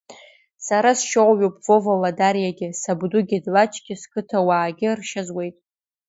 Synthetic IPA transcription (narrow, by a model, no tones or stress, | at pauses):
saɾasʃowʷɥopʼvovaladaɾijaɡʲɪsabdʊɡʲɪdlat͡ʃʰʼɡʲɪskʰɨtʰawaːɡʲɪrʃazwe̞jtʼ